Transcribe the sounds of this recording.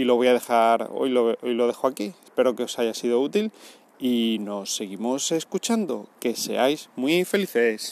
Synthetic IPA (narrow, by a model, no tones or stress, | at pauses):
iloβo̞jaðe̞xaɾo̰jloβojlo̞ð̞e̞xoakiespe̞ɾo̞ke̞o̞saʝasiðo̞ut̪il | ino̞sːe̞ɣ̞imo̞se̞skut͡ʃand̪o̞̰ke̞se̞̰ajzmwife̞liθes